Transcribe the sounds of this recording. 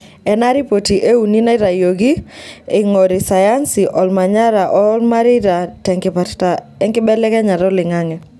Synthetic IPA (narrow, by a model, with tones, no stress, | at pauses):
ɛ˨na˦ɾi˦po˨ti˨ʔe˦u˨ni˦na˦ɪ˦ɾa˨jo˨ɡi˦ɪ˨ŋo˨ɾɪ˨sa˨ja˦nsi˨ʔɔ˨lma˨ɲa˦ɾa˨ʔɔ˦lma˦ɾɪ˦ɾa˨tɛŋkpaa | ɛ˦ŋkɪ˦bɛ˦lɛ˦kɛ˦ɲa˨ɾɔ˦lɪ˨ŋa˦ŋɛ˨